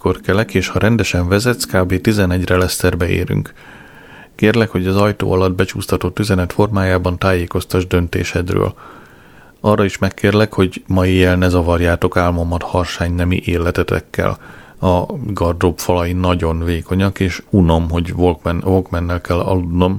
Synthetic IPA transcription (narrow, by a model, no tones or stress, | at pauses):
korkɛlɛkeːʃhɒɾʔɛnd̪ɛʃɛɱvɛzɛt̪skaːbeːt̪izɛnɛɟrɛlɛst̪ɛrbɛḛːɾy̰ŋk | keːrlɛkho̞ɟɒzɒjt̪o̰ːɒlɒd̪̚bɛt͡ʃuːst̪ɒt̪ot̪ːyzɛnɛt̪fo̞rmaːjaːbɒnt̪aːjeːko̞st̪ɒʒd̪ø̞nt̪ḛːʃɛd̪rø̰ːl | ɒrːɒiʃmɛkːeːrlɛkho̞ɟmɒijɛlnɛzɒvɒrjaːt̪o̞kaːlmomːɒt̪hɒrʃaːɲnɛmḭʔeːlɛt̪ɛt̪ɛ̰kːɛ̰l | ɒɡɒrd̪o̞bfɒlɒjinɒɟo̞nveːkʰo̞ɲɒkeːʃuno̞mɦo̞ɟvolkmɛvolkmɛnːɛlkɛlːɒ̰lud̪no̞m